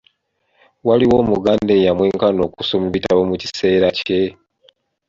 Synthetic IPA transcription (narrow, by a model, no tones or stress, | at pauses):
waliwo̞ːmuɡaːnde̞jamwe̞ːŋkano̞ːkusomiβitaβomuci̥se̞ːɾace̞